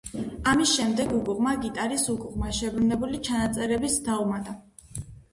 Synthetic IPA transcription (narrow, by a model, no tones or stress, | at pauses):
amisʃɛmd̪ɛɡuɡʼuʁmaɡit̪ʼaɾisuɡʼuʁmaʃɛbɾunɛbulit͡ʃʰanat̪sʼɛɾɛbisd̪aumad̪a